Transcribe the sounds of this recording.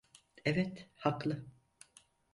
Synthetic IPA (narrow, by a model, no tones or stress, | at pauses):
ɛvɛt̪haklˠɯ